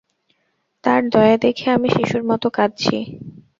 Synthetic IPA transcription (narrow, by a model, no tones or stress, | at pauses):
t̪aɾd̪ɔead̪ekʰeamiʃiʃuɾmɔt̪okadt͡ɕʰḭ